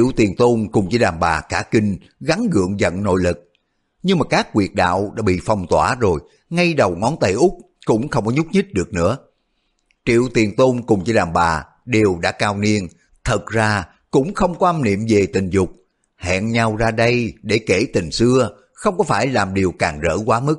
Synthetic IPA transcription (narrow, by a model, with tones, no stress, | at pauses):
t͡ɕi˧əwt̪i˨˩ənt̪o˧nkʊ˨˩ŋ͡mt͡ɕɨ˧ɗaː˨˩mɓaː˨˩kaː˧˩ki˧ŋ | ɣa˨˦ŋɣɨ̰˧˨əŋzə̰˧˨nno̰˧˨jlɨ˨˩k̚ | ɲɨ˧ŋmaː˨˩kaː˦˥kːwi˨˩ət̚ɗa̰ː˧˨wɗa̰ː˧˥ɓḭ˧˨fa˨˩wŋ͡mt̪waː˧˩zo˨˩j | ŋa˧jɗə˨˩wŋɔ˨˦nt̪ə˧˩jʔʊ˦˥k͡p̚ | kʊ̰˧˥ŋ͡mxə˧wŋ͡mkɔ˨˦ɲʊ˦˥t̚ɲɨ˦˥t̚ɗɨ˨˩ək̚nɨ̰˧˥ə | t͡ɕḭ˧˨əwt̪i˨˩ənt̪o˧nkʊ˨˩ŋ͡mt͡ɕɨ˧ɗaː˨˩mɓaː˨˩ | ɗe˨˩əwɗa̰ː˧˥kaː˧wni˧ən | t̪ʰə˨˩t̚zaː˧ | kʊ̰˧˥ŋ͡mxə˧wŋ͡mkɔ˨˦ʔa˧mnḭ˧˨əmve˨˩t̪ï˨˩ŋ̟zʊ˨˩k͡p̚ | hɛ̰˧˨nɲa˧wzaː˧ɗə˧jɗe˧˩ke˧˩t̪ï˨˩ŋ̟sɨ˧ə | xə˧wŋ͡mkɔ˨˦faː˧˩jlaː˨˩mɗi˨˩əwkaː˨˩ŋzə̰ː˧˩kwaː˨˦mɨ˦˥k̚